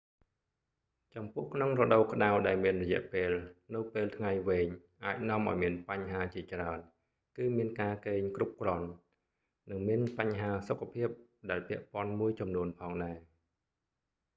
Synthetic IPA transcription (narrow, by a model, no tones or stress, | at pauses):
t͡ɕɑmpʊ̆əhkʰnoŋrɔɗoːkə̆ɗawɗaɛlmiənrɔjɛ̆əʔpeːlnɨwpeːlt̪ʰŋajʋeːɲ | ʔaːc̚nŏəmʔa̰ɔjmiənpaɲɦaːt͡ɕiət͡ɕraən | kɨːmiənkaːkeːɲkrup̚krŏən | nɨŋmiənpaɲɦaːsokʰːapʰiəp̚ɗaɛlpɛ̆əʔpŏənmuəjt͡ɕɑmnuənpʰɑːŋɗaɛ